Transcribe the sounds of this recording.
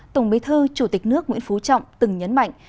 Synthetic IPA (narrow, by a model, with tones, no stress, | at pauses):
t̪ə˧˩wŋ͡mɓi˨˦t̪ʰɨ˧t͡ɕu˧˩t̪i˨˩k̟̚nɨ˦˥ək̚ŋwḭ˧˥ənfu˨˦t͡ɕɔ̰˧˨wŋ͡mt̪ɨ˨˩ŋɲə˨˦nma̰˧˨jŋ̟